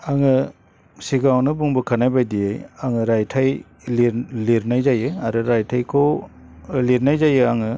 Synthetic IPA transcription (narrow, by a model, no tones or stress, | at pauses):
aŋɯ | siɡawnɯbuŋbɯkʰanajbajdiajaŋɯɾajtʰaj | liɾliɾnajzajɯaɾɯɾajtʰajkʰo | liɾnajzajɯaŋɯ